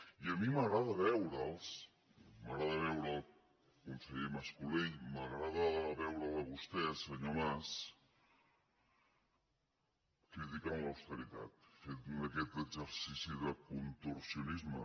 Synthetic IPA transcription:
iəmiməɣɾaðəβɛwɾəlˠs | məɣɾaðəβɛwɾəlˠ | kunsəʎeməskuliməɣɾaðəβɛwɾəðəβust̪ɛsəɲomas | kɾit̪ikamləwst̪əɾit̪a̰t̪fet̪unəkɛt̪əɡzəɾsisiðəkunt̪uɾsiunizmə

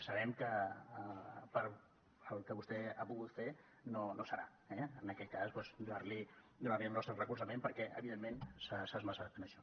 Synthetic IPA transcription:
səβɛmkə | pəɾ | əlˠkəβust̪ɛapuɣut̪fe | nonosəɾa̰ | ɛənəkɛt̪̚kaspwɛzd̪uaɾli | d̪unaβeəlˠnɔst̪ɾərəkuɾsəmẽmpəɾkɛʔə̰βiðemːensasazməsat̪ənəʃɔ

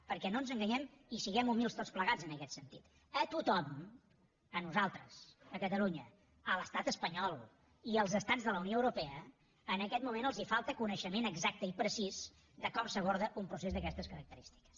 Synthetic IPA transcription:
pəɾkɛnonzəŋɡəɲɛmisiɣɛmumilˠst̪ott͡spləɣazənəkɛt̪sənt̪it̪ | ət̪ut̪ɔm | ənuzalˠt̪ɾəsəkət̪əluɲə | ələst̪at̪əspəɲɔlˠ | iəlˠzəst̪ad͡zðələunioəwɾupɛə | ənəkɛt̪̚mumenəlˠzifalˠt̪əkunəʃəmenəɡzak̚t̪əipɾəsiz | d̪əkɔmsəβ̞oɾðəʔumpɾus̬ezðəkɛst̪əskəɾək̚t̪əɾist̪i̥kə̥s

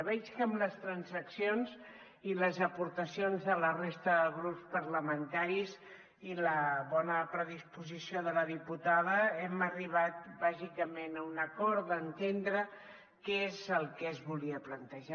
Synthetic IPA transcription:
βɛt͡ʃkəmləst̪ɾənzəksionz | iləzəpuɾt̪əsionzðələrest̪əðəɣɾupspəɾləmənt̪aɾiz | iləβɔnəpɾəðispuzisioðələðiput̪aðəɛməriβ̞at̪̚baʒikəmenəunəkɔɾt̪d̪ənt̪end̪ɾə | kezəlˠkɛzβuliəplənt̪əʒa

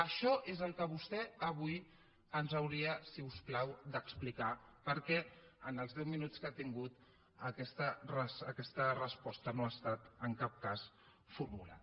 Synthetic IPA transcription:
əʃɔʔezəlˠkəβ̞ust̪ɛəβuj | ənzəwɾiəsiusklawd̪əksplikapəɾkɛənəlˠzðɛwminut͡skat̪iŋɡut̪ | əkɛst̪ərəsəkɛst̪ərəspɔst̪ənoast̪at̪əŋkap̚kas | fuɾmula̰t̪

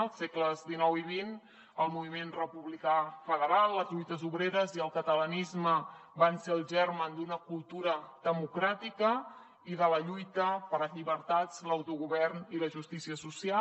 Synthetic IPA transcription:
əlˠsekləzðinɔwiβin | əlˠmuβimenrəpuβlikafəðəɾalˠːəzʎujt̪əzuβɾeɾəziəlˠkət̪ələnizməbanseəlˠʒɛrmənd̪unəkulˠt̪uɾəðəmukɾat̪ikə | iðələʎujt̪əpəɾəʎiβəɾt̪at͡sləwt̪uɣuβɛrniləʒust̪isiəsusia

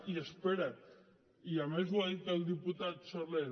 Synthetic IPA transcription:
iəspeɾat̪ | iamezwaðit̪əlˠd̪iput̪at̪soɾle

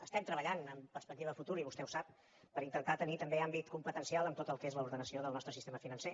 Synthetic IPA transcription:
əst̪ɛmt̪ɾəβəʎanəmpəɾspək̚t̪iβəfut̪uɾiβust̪ɛusap̚ | pəɾint̪ənt̪at̪ənit̪əmbeambit̪kumpət̪ənsialˠəmt̪ot̪əlˠkezləuɾðənəsioðəlˠnɔst̪ɾəsist̪eməfinənse

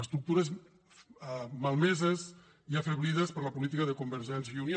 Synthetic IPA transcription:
əst̪ɾuk̚t̪uɾəz | malˠmɛzəz | iəfəβliðəspəɾləpulit̪̬ikəðəkumbəɾʒɛnsuni

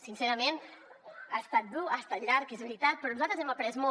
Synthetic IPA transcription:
sinsɛɾəmen | ast̪at̪̚d̪uast̪aʎaɾkezβəɾit̪at̪̚pɾɔnuzalt̪ɾəzɛməpɾɛzmo

